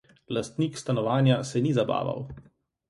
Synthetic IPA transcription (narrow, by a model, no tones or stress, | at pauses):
last̪niːkst̪anɔʋaːnjasɛnizaba̰ːʋa̰w